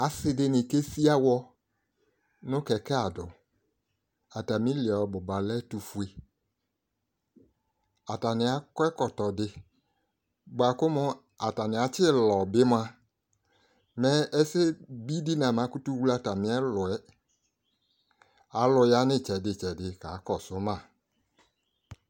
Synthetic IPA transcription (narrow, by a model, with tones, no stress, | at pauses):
a˨sɪ˨dɪ˦nɪ̃˨ke˦si˦a˦wɔ˦ | nʊ̃˦kɛ˨kɛ˦a˨dʊ˨ | a˨ta˨mĩ˦lɪ˨ɛ˨ɔ˨bʊ˨ba˨lɛ˦tu˨fu˨e˨ | a˨ta˨nɪ˨a˨kɛ˦kɔ˨tɔ˨dɪ˨ | bʊ˨a˨kʊ˦mʊ˦ | a˨ta˨nɪ˨a˨t͡ʃɪ˦lɔ˨bɪ˦m˦a˦ | mɛ˦ɛ˦sɪ˦bi˦di˦nã˨m˨ã˨˦ku˦tu˦wu˦la˦ta˨mɪ̃˨˦ɛ˦lʊ˨ɛ˦ | a˨˦lʊ˨ja˦nɪ̃˦˨t͡ʃɛ˨dɪ˨t͡ʃɛ˨dɪ˨ka˨˦kɔ˨sʊ˦mã˦˨